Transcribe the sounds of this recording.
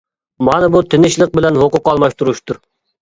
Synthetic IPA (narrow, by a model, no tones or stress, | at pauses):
mɑnɨbut̪ʰɪnɪʃlˠəq̚bɪlɛnhoqʊqːɑlˠmɑʃt̪uɾuʃt̪ʰuɾ